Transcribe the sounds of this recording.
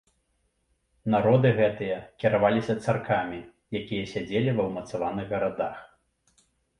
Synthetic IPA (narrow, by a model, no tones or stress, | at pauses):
naɾɔd̪ɨɣɛt̪ɨjɐkʲiɾavalʲisʲɐt̪sarkʰamʲi | jakʲijɐsʲad͡zʲelʲivɐwmɐt̪savanɨɣɣɐɾad̪ax